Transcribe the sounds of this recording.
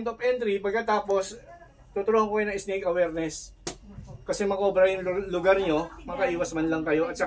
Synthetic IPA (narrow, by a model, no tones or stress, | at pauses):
nt̪opʔɛnt̪ɾipɐɡ̚kɐt̪aːpo̞s | t̪ʊt̪ʊɾoːhɐŋkojonɐŋʔɪsnekɐwɛːɾnɛs | kɐsɛmɐkʔo̞ːbɾɐjʊŋlʊɡaɾɲo̞mɐkɐʔiːwɐsmɐnlɐŋkɐjo̞ʔɐt̪̚t͡ʃɐ